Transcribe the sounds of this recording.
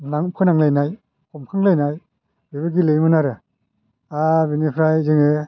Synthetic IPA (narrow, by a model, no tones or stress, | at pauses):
naŋpʰɯnaŋlajnaj | kʰɔmkʰaŋlajnaj | bebɯɡilɯjmɯnaɾɯ | abinipʰɾajzɯŋe